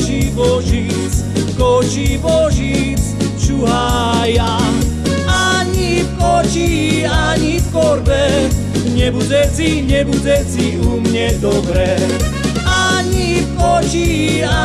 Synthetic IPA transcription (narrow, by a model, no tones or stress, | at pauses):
t͡ʃibɔʒi | t͡s | kɔt͡ʃibɔʒit͡st͡ʃuɦaja | aɲipɔt͡ʃiaɲifkɔɾbɛ | ɲɛbud͡zɛt͡siɲɛbud͡zɛt͡siumɲɛd̪ɔbɾɛ | aɲipɔt͡ʃia